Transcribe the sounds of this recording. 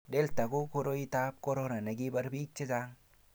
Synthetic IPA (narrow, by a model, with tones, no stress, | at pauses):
de˦lt̪a˨ɡu˦ko˦ɾo˦i˦t̪a˦p̚ko˦ɾo˦na˨na˨ɡi˦ba˦ɾbi˦k̚t͡ʃe˦d͡ʒa˦ŋ